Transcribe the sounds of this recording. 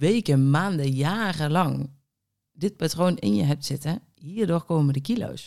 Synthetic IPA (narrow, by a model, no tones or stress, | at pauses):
ʋeːkəmaːndəjaːrəlɑŋ | dɪt̚patroːnɪ̰njə̰ɦɛp̚tsɪtə | hiːərdorkoːmədəkilo̰ws